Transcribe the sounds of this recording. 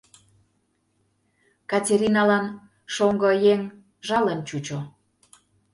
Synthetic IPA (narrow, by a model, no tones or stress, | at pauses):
kɑtʲeɾʲinɑlɑn | ʃoŋɡɤ̆jeŋ | ʒɑlənt͡ɕut͡ɕo